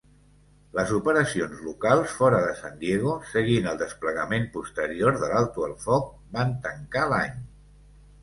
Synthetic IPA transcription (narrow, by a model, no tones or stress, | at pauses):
ləzupəɾəsionzlukalˠsfɔɾəðəsand̪jeɣ̞usəɣinəlˠd̪əspləɣəmempust̪əɾioɾðəlalˠt̪uəlˠfɔk̚ | bant̪əŋkalaɲ